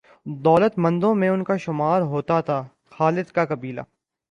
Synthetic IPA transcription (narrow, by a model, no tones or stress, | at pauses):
d̪ɔːlət̪mɐ̃nd̪õmẽʊnkaʃʊmaːɾɦoːt̪at̪ʰaː | xaːlɪd̪kakɐbiːla̰ː